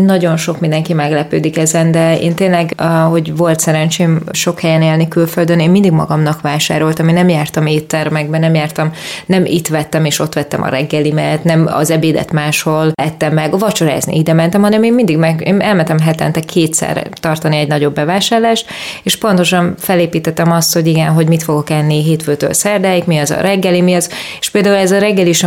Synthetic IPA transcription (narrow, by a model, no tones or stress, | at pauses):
nɒɟo̞nʃo̞kmind̪ɛŋkimɛɡlɛpøːd̪ikɛzɛnd̪ɛḛːnt̪eːnlɛɡɒho̞ɟvo̞lt̪sɛɾɛnt͡ʃeːmʃo̞khɛjɛneːlnikylføld̪øneːmind̪iɡmɒ̰ɡɒmnɒkʋaːʃa̰ːɾolt̪ɒminɛmjaːrt̪ɒmeːt̪ːɛrmɛɡ̚bɛnɛmjaːrt̪ɒmnɛmḭt̪ʋɛt̪ːɛmeːʃo̞t̪ʋɛt̪ːɛmʔɒ̰ɾɛɡːɛlimɛt̪nɛmɒ̰zɛbeːd̪ɛ̰t̪maːʃho̞lɛt̪ːɛmːɛɡɒvɒt͡ʃoɾa̰ːznḭid̪ɛmɛnt̪ɛmhɒnɛmeːmmind̪iɡmɛɡḛːnɛlmɛnt̪ɛmɦɛt̪ɛ̰nt̪ɛkʰːeːt̪sɛ̰rɛ̰t̪ɒrt̪ɒniɛɟnɒɟo̞bːɛvaːʃaːrlaːʃt̪eːʃpo̞nt̪o̞ʃɒnfɛleːpiːt̪ɛt̪ːɛmɒst̪ho̞ɟiɡɛnɦo̞ɟmit̪fo̞ɡo̞kɛnːiɦeːt̪føːt̪ø̰lsɛrd̪aːjikmiɒzɒ̰ɾɛɡːɛlimiɒzeʃpeːld̪aːulɛzɒɾɛɡːɛliʃ